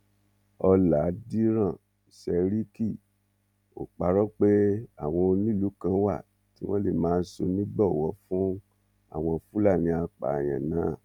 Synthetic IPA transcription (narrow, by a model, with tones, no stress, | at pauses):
ɔ˧la˨˦di˦ɾã˦˨ | i˨sɛ˧ɾi˦ki˦˨ | o̰˨k͡pa˧ɾɔ˦k͡pe˦a˦˨w̃ɔ̃˧o˧nĩ˦˨lu˨˦kã˧wa̰˦˨ | ti˦w̃ɔ̃˦lḛ˦˨mãː˨˦˧n̩˦so˧nĩ˦ɡ͡bɔ˦˨wɔ˧˦fũ˦ | a̰˦˨w̃ɔ̃˧fu˦la˦˨nĩ˧a˧k͡pa̰˨jã̰˨nãː˨˦˨